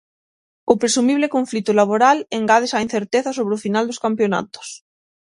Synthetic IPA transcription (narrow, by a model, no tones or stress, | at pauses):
ʊpɾesumiβlekoɱflit̪ʊlaβ̞oɾaleŋɡað̞esain̟θeɾt̪eθasoβ̞ɾeʊfinald̪oskampjona̰t̪o̥s